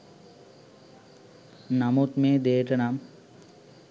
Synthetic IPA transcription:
namut̪meːd̪eːʈənam

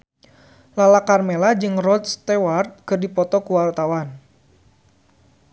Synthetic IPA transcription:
lalakarmelad͡ʒɨŋrɔt̪st̪ɛwart̪̚kɨrdipɔt̪ɔkuwalt̪awan

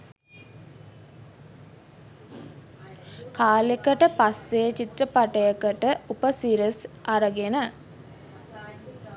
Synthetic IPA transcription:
kaːlekəʈəpasːejət͡ʃit̪ɾəpaʈəjəkəʈəupəsiɾəsʔaɾəɡenə

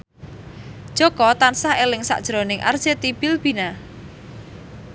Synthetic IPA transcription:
d̥ʒ̥ɔ̤kɔt̪ansahelɪŋsa̰ʔd̥ʒ̥ɾonɪŋʔa̰rd̥ʒ̥et̪ib̥ɪlb̥ina

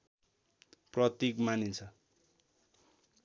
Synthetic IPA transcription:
prʌt̪ikmanit͡sʰʌ

